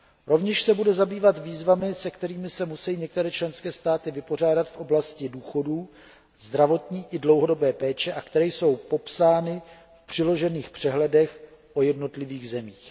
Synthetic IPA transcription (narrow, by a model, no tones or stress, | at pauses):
ɾo̞vɲɛʃsɛbudɛzabiːvat̪viːzvamɪsɛkt̪ɛɾiːmɪsɛmusɛjiːɲɛk̚t̪ɛɾɛːt͡ʃlɛnskɛːst̪aːt̪ɪvɪpo̞r̝aːdat̪fʔo̞blascɪduːxo̞duː | zd̪ɾavo̞t̪ɲiːʔɪdlo̞wɦodo̞bɛːpɛːt͡ʃɛʔakt̪ɛɾɛjso̞wpo̞psaːnɪ | fpr̝̥ɪlo̞ʒɛniːxpr̝̥ɛɦlɛdɛx | ʔo̞jɛdno̞t̪lɪviːɣzɛmiːx